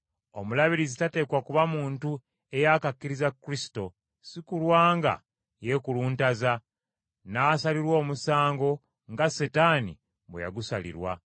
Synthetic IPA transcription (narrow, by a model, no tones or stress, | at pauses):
o̞mulaβiɾizitate̞ːkwakuβamuːntu | e̞jakakːiɾizakːɾisi̥to̞ | sikulwaːŋɡa̰ | je̞kuluːntaza | naːsaliɾwo̞ːmusaːŋɡo̞ | ŋɡasetanḭ | βweja̰ɡusalḭɾwa̰